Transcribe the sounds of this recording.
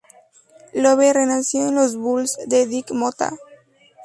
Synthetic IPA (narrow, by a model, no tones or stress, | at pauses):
loβerenasjoẽnlozβulzd̪eðikmot̪a̰